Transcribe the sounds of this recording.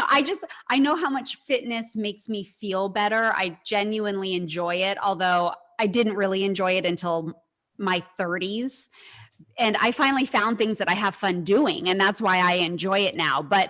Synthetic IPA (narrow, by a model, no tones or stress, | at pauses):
ʔaɪd͡ʒʌstʔaɪnoʊɦaʊmʌt͡ʃfɪtⁿnɨsmeɪksmifilˠbɛɾə˞a̰ɪd͡ʒɛ̃njʉɨ̃nliɨ̃nd͡ʒɔɪɪɾɔ̰lˠðoʊ | aɪdɪdⁿn̩t̚ɹɪlˠiɨ̃nd͡ʒɔɪɨɾɨ̃ntʰɪlˠ | maɪθɜ˞ɾiz̥ | ɨ̃na̰ɪfãɪ̃nl̩ˠifãʊ̃nθɪ̃ŋzðɨɾaɪəv̥fʌ̃ndʉɪ̰̃ŋɨ̃nðætswaɪaɪɨ̃nd͡ʒɔɪɨtⁿnaʊbʌt̚